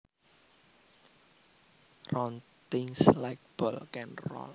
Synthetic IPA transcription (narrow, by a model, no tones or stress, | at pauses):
rɔnt̪ɪŋslajk̚b̥ɔlkɛnrɔ̰l